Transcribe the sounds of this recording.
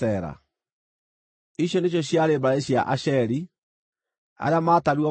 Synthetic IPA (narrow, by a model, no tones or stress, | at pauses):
ɛɾa̰ | iɕjɔneɕ̬jɔɕjaɾebaeɕja̰ʔaʃɛɾi | a̰ɾeamaːtaɾwɔ